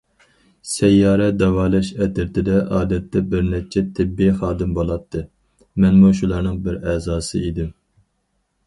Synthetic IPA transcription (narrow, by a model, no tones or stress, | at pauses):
sɛjːɑːɾɛd̪ɛwɑːlˠɑʃɛt̪ɪɾt̪ʰɪd̪ɛʔɑːd̪ɛt̪ːɛbɪɾnɛt͡ʃʰɛt̪ʰːɪbːiχɑːd̪ɨmbolˠɑt̪ʰːɨ | mɛnmuʃulˠɑɾnɨŋbɪɾɛːzɑːsɨid̪ɪm